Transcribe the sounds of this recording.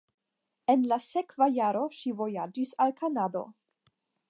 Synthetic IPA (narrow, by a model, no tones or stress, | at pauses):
e̞nlase̞kvajaɾo̞ʃivo̞jad͡ʒisalkʰanado̞̰